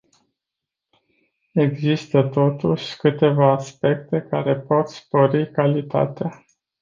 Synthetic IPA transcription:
e̞ɡzist̪ət̪o̞t̪uʃʲkɨt̪e̞vaːspe̞k̚t̪e̞ka̰ɾe̞po̞t̪spo̞ɾikalit̪a̰t̪ea

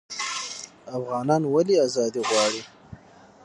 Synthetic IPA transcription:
afɣɑːnɑnwaliazɑd̪iɣwɑɽi

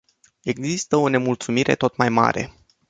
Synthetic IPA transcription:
e̞ɡzist̪əo̞ne̞mult̪sumiɾe̞̰t̪o̞t̪majma̰ɾe̞̰

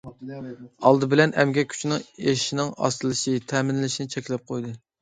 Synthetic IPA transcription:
ɑlˠd̪ɨbɪlɛnɛ̰mɡʲɛkʲʰy̥t͡ʃʰnɪŋeʃinɪŋɑ̰st̪ɨlˠɨʃɪt̪ʰɛːmɪnlɪʃinɪt͡ʃʰɛkʲlɛp̚qʰojd̪ɨ

